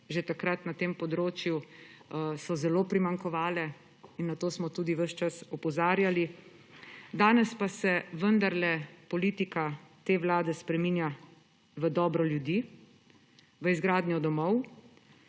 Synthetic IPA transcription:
ʒet̪akɾat̪nat̪eːmpɔd̪ɾoːt͡ʃju | sɔzɛloːpɾimaŋkɔʋaːlɛ | inːat̪oːsmɔt̪uːd̪iʋəʃt͡ʃasɔpɔzaːɾjali | d̪aːnɛspasɛʋənd̪aɾlɛpɔliːt̪ikat̪eːʋlaːd̪ɛspɾɛmiːnja | ʋəd̪ɔːbɾɔljud̪iː | ʋəizɡɾaːd̪njɔd̪ɔmɔw

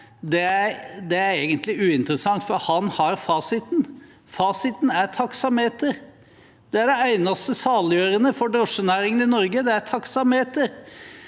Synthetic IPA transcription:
d̪ɛæɾd̪ɛæɾeːɡənt̪lɪʉːɪnt̪ɾəsɑŋt̪fɔɾhɑnhɑɾfɑːsɪt̪n | fɑːsɪt̪næɾt̪ʰɑksɑmheːt̪əɾ | d̪̥ɛæɖɛæɪnɑst̪əsɑːljøːɾənəfɔɖɾɔʂənæːɾɪŋənɪnɔɾɡəd̪ɛæɾt̪ʰɑksɑmheːt̪əɾ

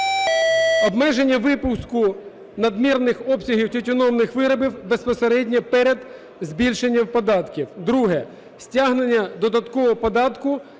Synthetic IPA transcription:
ɔbmɛʒenʲːɐʋɪpʊskʊ | nɐd̪mʲirnɪxɔpsʲɐɦʲiwtʲɔtʲʊnɔmnɪxʋɪɾɐbɪwbe̞spɔseɾɛdʲnʲipɛɾed̪ | zbʲilʲʃenʲːɐwpɔd̪ɑt̪kʲiwd̪ɾuɦɛ | sʲtʲaɦnenʲːɐd̪ɔd̪ɐt̪kɔɔpɔd̪ɑt̪kʊ

